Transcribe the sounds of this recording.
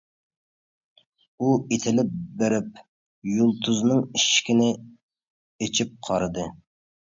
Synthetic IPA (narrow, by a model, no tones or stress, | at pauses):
uet̪ʰɪlɪp̚beɾɪp̚ | julˠt̪ʰuznɨŋiʃkʲinɪ | et͡ʃʰip̚qʰɑɾɨd̪ɨ